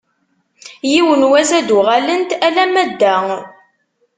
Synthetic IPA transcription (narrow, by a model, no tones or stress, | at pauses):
jiwənwæzæd̪uʁælənt̪ælæmæd̪ːæ